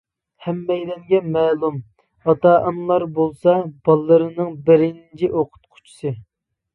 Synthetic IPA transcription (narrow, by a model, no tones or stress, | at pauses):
hɛmːɛjlɛŋɡʲɛmɛːlˠum | ɑt̪ɑʔɑmlˠɑɾbolˠsɑb̥ɑlˠːɨɾɨnɨŋbɪɾɪnt͡ʃʰiʔoqʰʊ̥t̪̚qʰʊ̥t͡ʃʰi̥sɨ